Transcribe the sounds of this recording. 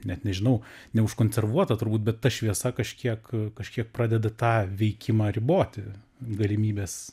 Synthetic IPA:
nʲɛt̪nʲɛʒʲɪnɐʊnʲɛʊʃkoːnʲsʲɛrʋuɔt̪ɐt̪ʊɾbuːt̪̚ʲbʲɛt̪tːɐʃʲʋʲiɛsɐkɐʃʲkʲiɛkkɐʃʲkʲiɛk̚prɑːdʲɛd̪ɐt̪ɑːʋʲɛɪkʲɪmɑːɾʲɪboːt̪ʲɪ | ɡɐlʲɪmʲiːbʲeːs

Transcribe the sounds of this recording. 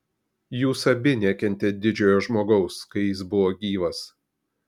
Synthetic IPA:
juːsɐbʲɪnʲɛkʲɛnʲt̪ʲed̪ʲɪd͡ʒʲoːjoːʒmoːɡɐʊskɐɪjɪsbʊʋoːɡʲiːʋɐs

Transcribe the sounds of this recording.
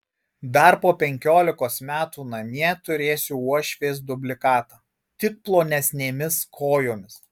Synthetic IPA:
d̪ɐɾpoːpʲɛŋʲkʲoːlʲɪkoːsmʲæːt̪uːnɐmʲiɛt̪ʊɾʲeːsʲʊuɔʃʲʋʲeːs̬d̪ʊbʲlʲɪkɑːt̪ɑ | t̪ʲɪk̚plˠoːnʲɛsʲnʲeːmʲɪskʰoːjoːmʲɪs

